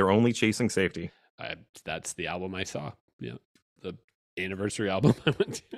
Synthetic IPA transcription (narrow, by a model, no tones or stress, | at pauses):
ə˞õʊ̃nlit͡ʃʰeɪsɪ̃ŋseɪfti | ʔʌ̰ðætsðiælˠbə̃maɪsɔ̰ | jæ̰ | ðə | ænɨvɜ˞sə˞iælˠbə̃maɪwɛ̃ntʰ